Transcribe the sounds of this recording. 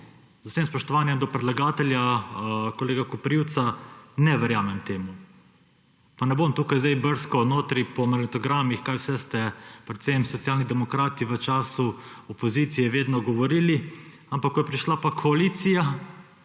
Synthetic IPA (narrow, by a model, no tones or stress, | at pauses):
z̥aseːmspɔʃt̪ɔʋaːnjɛmd̪ɔpɾɛd̪laɡaːt̪ɛljakoleːɡakɔpɾiwt̪sanɛʋɛɾjaːmɛmt̪eːmu | panɛbomt̪uːkajzd̪ajbəɾskɔnoːt̪ɾipɔmɐɾɛt̪ɔɡɾamixkajwsɛst̪ɛpɾɛt̪semsɔt̪sijaːlnid̪ɛmɔkɾaːt̪iʋət͡ʃaːsuɔpoziːt̪sijɛʋeːd̪nɔɡɔʋɔɾiːli | ampakkːɔjɛpɾiʃlapakʰɔaliːt̪sija